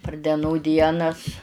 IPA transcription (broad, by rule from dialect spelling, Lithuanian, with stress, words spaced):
pɐr dʲɛˈnuː ˈdʲiɛnɐs